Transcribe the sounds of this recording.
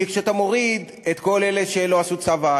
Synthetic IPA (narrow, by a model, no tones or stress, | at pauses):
ikʃeat̪amo̞ʁid̪ | et̪ko̞leleʃelo̞asut͡sava